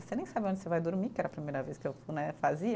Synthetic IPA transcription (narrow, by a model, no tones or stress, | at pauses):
senẽj̃sabɪõnd͡ʒɪsevajd̪oɾmikɪɛɾɐːpɾimejɾɐveskɪewnɛfaziɐ